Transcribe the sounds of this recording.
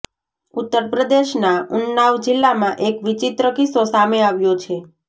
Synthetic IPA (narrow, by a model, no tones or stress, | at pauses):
ut̪ːəɾpɾəd̪eʃnaʊnːaʋd͡ʒilːamãʔekʋit͡ʃit̪ɾəkisosameaʋjot͡ʃʰe